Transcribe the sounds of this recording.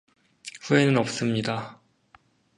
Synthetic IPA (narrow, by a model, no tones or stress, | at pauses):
ɸue̞nɯnʌp̚s͈ɯmɲida